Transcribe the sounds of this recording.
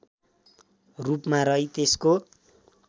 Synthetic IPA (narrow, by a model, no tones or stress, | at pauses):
rupmaɾʌɦjt̪esko